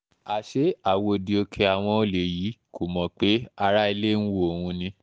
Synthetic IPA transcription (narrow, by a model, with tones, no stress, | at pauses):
a˨ʃe˨˦a˨wo˧di˧o˧kʰe˧a˨w̃ɔ̃˧o˧le˨ji˨˦kʰo˨mɔ̃˨˦k͡pe˨˦a˧ɾa˦i˧le˦n̩˦wo˦o˨hũ˧nĩ˧